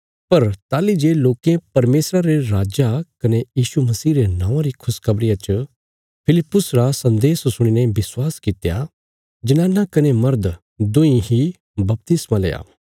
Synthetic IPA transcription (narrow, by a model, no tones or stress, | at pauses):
pɐɾt̪aːlid͡ʒeloːkẽpɐɾmeːsɾaɾeɾaːd͡ʒakɐnejiːsumɐsiːɾenãːʋãɾikʰʊskɐbɽɪjat͡ʃə | pʰɪlɪpːʊsɾasɐ̃nd̪eːssʊɽ̃inɛ̃bɪswaːskɪt̪ja | d͡ʒɪnãnakɐnemɐɾd̪ | d̪oĩɦi | bɐp̚t̪ɪsmalḛːa̰ː